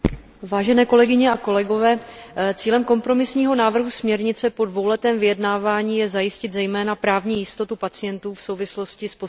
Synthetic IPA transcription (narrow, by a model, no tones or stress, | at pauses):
vaːʒɛnɛːko̞lɛɡɪɲɛako̞lɛɡo̞vɛː | t͡siːlɛmko̞mpɾo̞mɪsɲiːɦo̞naːvr̩ɦusmɲɛɾɲɪt͡sɛpo̞dvo̞wlɛt̪ɛːmvɪjɛdnaːvaːɲiːjɛzajɪscɪt̪zɛjmɛːnapɾaːvɲiːjɪst̪o̞t̪upat͡sɪjɛnt̪uːfso̞wvɪslo̞scɪspo